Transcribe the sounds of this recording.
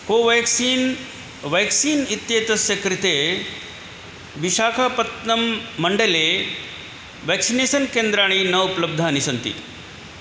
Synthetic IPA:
koʋeksiːn | ʋɛksiːnit̪jet̪ɐsjɐkɾit̪e | ʋiɕaːkʰapɐt̪nɐmːɐɳɖəle | ʋɛksinesənkẽnd̪ɾaːɽ̃inɐupləb̚d̪ʱanisɐnt̪ḭ

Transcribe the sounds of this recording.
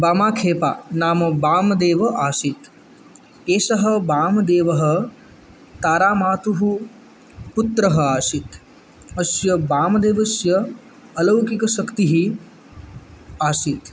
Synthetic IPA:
baːmaːkʰeːpa̰ːnaːmɐbaːmɐd̪eːʋɐʔaːsit̪ | eːʃɐɦɐbaːmɐd̪eːʋɐɦɐ̆ | t̪aːɾaːmaːt̪uɦu | put̪ɾɐɦɐaːsit̪ | ɐsjɐbaːmɐd̪eːʋɐsjɐː | lɐwkikɐʃɐkt̪iɦi | aːsit̪

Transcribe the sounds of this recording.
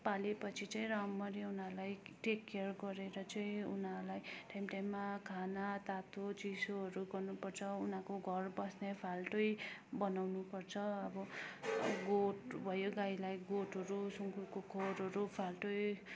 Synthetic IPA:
palepʌt͡sʰit͡saĩramːʌɾeunalajʈekːearɡʌɾeɾʌt͡sʌĩṵnalajʈajmʈajmːakʰanat̪at̪ot͡sisoɦʌɾuɡʌrnupʌrt͡sʰʌunakoɡʱʌrbʌsnepʰalʈojbʌnawnupʌrt͡sʰʌʌbʌ | ɡoʈbʱʌjoɡajlajɡoʈʌɾusuŋkukokʰoɾɦʌɾupʰalʈoj

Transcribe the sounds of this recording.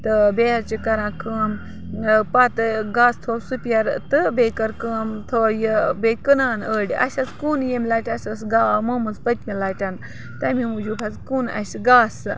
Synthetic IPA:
t̪ɨbeːhɐɾt͡ʃikɐɾãːkəːm | pat̪ɨɡaːst̪ʰoːsupʲɐɾt̪ɨbeːkɐɾkəːmt̪ʰoːjibekənaːnəːɽʲɐ̰sɐt͡skuːnjemʲlaːʈʲɐsʲɐsɡaːmoːmɨzpɐt̪ʲmʲilaːʈʲɐn | t̪ɐmʲimud͡ʒubʰʱɐzkuːnɐ̰sɡaːsɨ

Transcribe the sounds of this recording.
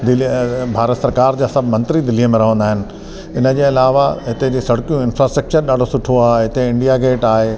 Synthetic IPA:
d̪ɪlibʱaːɾət̪sɐɾkaːɾd͡ʑaːsɐbʱmɐ̃nt̪ɾid̪ɪlijəmẽɾɐɦə̃nd̪aːɦɪnɪ̆ | ɪnə̆d͡ʑeːɐlaːʋaɦɪt̪ed͡ʑeːsɐɽkijũɪnfɾaːsʈɾɐk̚t͡ɕəɾɗaːɖʱosʊʈʰoaːɦɦɪt̪eɪ̃ɳɖijaɡeːʈaːɦeː

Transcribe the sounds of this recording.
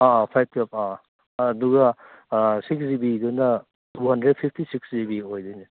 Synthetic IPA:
apʰajb̚tap̚aː | duɡɐ | siksdibidunɐ | tʰuɦɐndɾed̚pʰipʰtisikszibiojdɯjni

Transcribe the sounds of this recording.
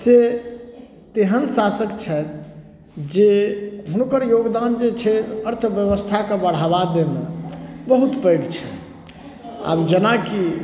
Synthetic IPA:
se | t̪eɦənsasəkt͡ʃʰɛt̪ | d͡ʒeɦunkəɾjoɡd̪and͡ʒet͡ʃʰɛəɾt̪ʰəʋjəβəst̪ʰakebəɽ̤aβad̪emebəɦut̪pəɪɡt͡ʃʰɛ | a̰bd͡ʒənaki

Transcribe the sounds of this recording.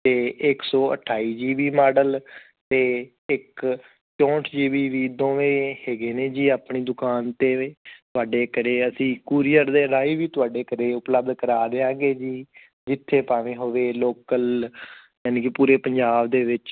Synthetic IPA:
t̪eːʔɪksɔːə̰ʈʰaːiːd͡ʒiːʋiːmaːɖəl | t̪eː | ɪk | t͡ʃɔ̃ːʈʰd͡ʒiːʋiːʋiːd̪õːʋẽːheːɡeːneːd͡ʒiːaːpɳiːd̪ʊkaːnt̪eːt̪ʊaːɖeːkəɾeːəsĩːkuːɾijəɾd̪eːɾaːiːʋiːt̪ʊaːɖeːkəɾeːʊpləb̚d̪kəɾaːd̪eːãːɡeːd͡ʒiː | d͡ʒɪt̪ʰːeːpaːʋẽːɦoːʋeːloːkəl | jaːnẽːkɪpuːɾeːpəɲd͡ʒaːbd̪eːʋɪt͡ʃ

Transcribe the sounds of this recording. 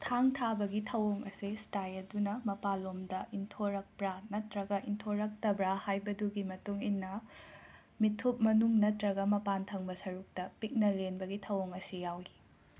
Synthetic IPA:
tʰaŋtʰabɐɡitʰɐwoŋɐsistajɐdunɐmɐpalomdɐʔintʰoɾɐk̚bɾanɐtɾɐɡɐʔintʰoɾɐk̚tɐbɾɐhajbɐduɡimɐtuŋinːɐ | mitʰup̚mɐnuŋnɐtɾɐɡɐmɐpantʰɐŋbɐsɐɾuk̚tɐpik̚nɐlenbɐɡitʰɐwoŋɐsijawi

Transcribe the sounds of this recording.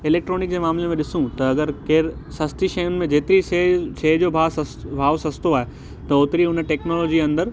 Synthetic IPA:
ɪleːk̚ʈɾoːnɪk̚d͡ʑeːmaːmlemẽɗɪsũt̪ɐɐɡəɾkeːɾsɐst̪iʃɐjʊnɪ̆mẽd͡ʑeːt̪ɪɾiʃɐːd͡ʑoːbʱaːbʱaːʋsɐst̪oaːɦe | t̪ɐoːt̪ɪɾiʊnʈeːknoːlɔːd͡ʑiɐ̃nd̪əɾ

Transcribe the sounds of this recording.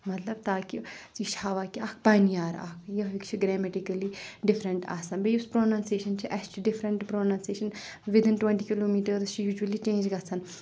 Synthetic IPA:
mɐt̪lɐbt̪aːkisiʃaːʋaːkiɐkʰpaːnijaːɾɐ̰kʰjɐikt͡ʃʰiɡɾɛːmɛʈikɐliɖɪfɾɐɳʈa̰ːsɐnbejʊspɾoːnãːnseːʃɐnt͡ʃʰiʔɛst͡ʃʰiɖɪfɾɐ̃ɳʈpɾoːnãːnseːʃɐnʋɪd̪ɪnʈwɛ̃ɳʈiːkiloːmiːʈɐɾzt͡ʃʰijuːd͡ʒuəlit͡ʃẽːnd͡ʒɡɐsʰɐn

